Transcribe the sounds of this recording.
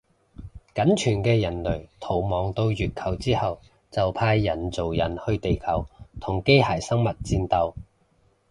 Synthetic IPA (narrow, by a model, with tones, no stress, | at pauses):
kɐ˨˥nt͡ʃʰyː˨˩nkɛː˧jɐ˨˩nlɵ˨˩ɥt̪ʰo˨˩wmɔː˨˩ŋt̪o˧wjyː˨t̚kʰɐ˨˩wt͡siː˥hɐ˨w | t͡sɐ˨wpʰaː˧jːɐ˨˩nt͡so˨˩wjɐ˨˩nhɵ˧ɥt̪e˨jkʰɐ˨˩wt̪ʰʊ˨˩ŋke˥jhaː˨˩jsɐ˥ŋmɐ˨t̚t͡siː˧nt̪ɐ˧w